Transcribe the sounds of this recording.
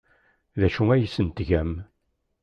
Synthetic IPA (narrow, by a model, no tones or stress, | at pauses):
ðæʃuæjəsənt̪ʝæm